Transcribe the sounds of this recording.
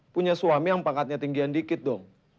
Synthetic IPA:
puɲasuamijaŋpaŋkat̪̚ɲat̪iŋɡiandikɪt̪̚dɔŋ

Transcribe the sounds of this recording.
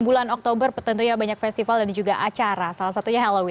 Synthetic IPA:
bulanɔk̚t̪obərpət̪ənt̪ujabaɲak̚fɛst̪ifaldand͡ʒuɡaʔat͡ʃaɾasalahs̬at̪uɲaɦɛlowɪ

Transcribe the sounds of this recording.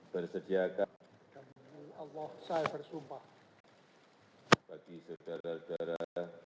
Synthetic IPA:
b̥ərsədiaka | d̥amualːɑhsajbərsumpah | b̥aɡ̥isəd̥aɾasodaɾa

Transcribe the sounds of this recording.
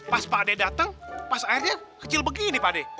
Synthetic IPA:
paspadɛdat̪əŋpasairɲakət͡ʃɪlbəɡinipadɛ

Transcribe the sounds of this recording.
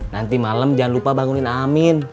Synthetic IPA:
nant̪imaləmd͡ʒanlupabaŋuninamin

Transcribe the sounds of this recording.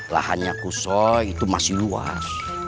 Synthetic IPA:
la̰ha̰ɲakusɔit̪umasilua̰s

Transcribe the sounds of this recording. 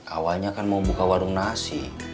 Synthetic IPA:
ʔa̰walɲakanmaubukawaɾuŋnasi

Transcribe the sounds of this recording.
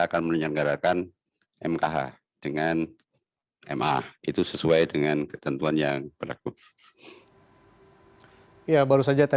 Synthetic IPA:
akanmənəɲanɡaɾakan | ʔɛmkaɦa̰ | d̥əŋan | ɛ̰mʔa̰it̪usəsuajdəŋankə̥t̪ənt̪uanjaŋb̥ərla̰ku | jabaɾusad͡ʒat̪a

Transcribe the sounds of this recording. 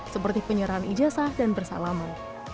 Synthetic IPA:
səpərt̪ipəɲəɾaɦanʔḭd͡ʒasahdanbərsa̰laman

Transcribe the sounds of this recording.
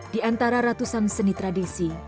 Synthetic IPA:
d̥iant̪aɾaɾat̪usansənit̪ɾadisi

